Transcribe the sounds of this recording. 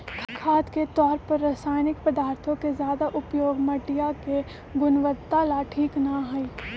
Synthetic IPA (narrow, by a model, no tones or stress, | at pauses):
kʰkʰaːd̪ket̪ɔːɾpɐɾːasaːjnɪkpəd̪aːɾt̪ʰõkezjaːd̪aʔʊpjoːɡmɐʈijake | ɡʊnʋət̪alaʈʰiːknaɦʊi